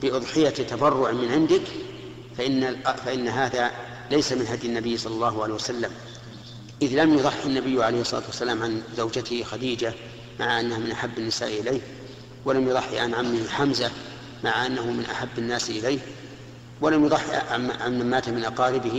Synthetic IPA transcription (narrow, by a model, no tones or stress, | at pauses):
b̥ɪʔʊðˤħɪjat̪ɑbɑrˤːʊʕmɪnʕɪnd̪ɪk | faʔɪnːaʔfaʔɪnːɦaːða | lajsamɪnɦad̪jɪnːabɪjːsˤɑlːɑlˤːɑːhʊʕalejːhwasalːam | ʔɪðlamjʊðˤɑħːɪnːabɪjːʕalejhɪsˤːɑ̰ɑ̰t̪wasːalaːmʕanzawd͡ʒat̪ɪhxad̪iːd͡ʒa | ma̰ʕaʔanːahamɪnʔaħabːnːɪsa̰ːʔʔɪleːh | walamjʊðˤɑħːɪ̰ʕanʕamːɪhħamza | maʕaʔanːahʊmɪnʔa̰ħabːɪnːaːsʔɪlejh | walamjʊðˤɑħːaʕanːamːaːt̪amɪnʔɑqɑːɾɪbɪh